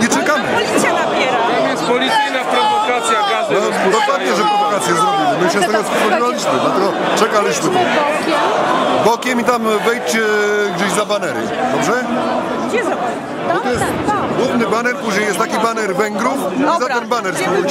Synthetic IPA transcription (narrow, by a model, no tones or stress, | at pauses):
ɲɛt͡ʂɛkamɘ | pʲjɛɾaɔɛspɔlʲit̪sɘjnapɾɔvɔkat̪sʲjaɡaɔ | d̪ɔpwad̪̚ɲɛʐɛpɾɔvɔkat̪sʲjɛzɾɔbʲilɛmɘɕɛsɔɡ̪ɛskɔkɔnvalʲiɕmɘd̪lat̪ɛɡɔ | t͡ʂɛkalʲiɕmɘt̪ɔɔkʲɛbɔkʲɛmit̪amvɛjt͡ɕɛɡd͡ʑeʑzabanɛɾɪ̰d̪ɔbʐɛ | d̪ɔt̪ɔjɛst̪ɡwuvnɘbanɛɾpuʑɲejɛst̪t̪ːakʲibanɛɾvɛŋɡɾufizaɛmbanɛɾsut͡ɕ